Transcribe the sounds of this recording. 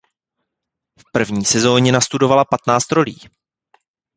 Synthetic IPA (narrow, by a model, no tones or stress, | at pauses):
fpr̩vɲiːsɛzo̞ːɲɛnast̪udo̞valapat̪naːt͡st̪ɾo̞lḭː